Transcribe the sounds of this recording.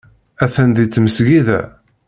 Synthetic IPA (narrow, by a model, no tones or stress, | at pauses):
æθænðit͡sːməsɡiðæ̰